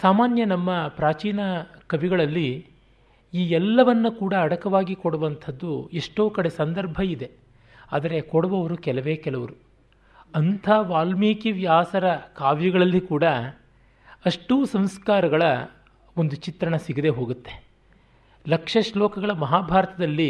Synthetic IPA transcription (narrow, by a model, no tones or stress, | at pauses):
saːmaːnjɐnɐmːɐpɾaːt͡ʃiːnɐkɐʋiɡɐɭɐlːi | iːɛlːɐʋɐnːukuːɽɐːɽɐkɐʋaːɡikɔɽɐʋɐnt̪ʰɐd̪ːueʂʈo̞ːkɐɽe̞sɐnd̪ɐɾbʱɐid̪e̞ | a̰ːd̪ɐɾe̞koɽɐʋɐʋɐɾukɛlɐʋe̞ːkɛlɐʋɐɾu | ɐnt̪ʰaːʋaːlmeːkiʋjaːsɐɾɐkaːʋjɐɡɐɭɐlːikuːɽɐ | ɐʂʈuːsɐmskaːɾɐɡɐɭɐ | o̞nd̪ut͡ʃit̪ɾɐɳɐsiɡid̪e̞ɦo̞ːɡut̪ːe̞ | lɐkʂɐʃlɔːkɐɡɐɭɐmɐɦaːbʱaːɾɐt̪ɐd̪ɐlːi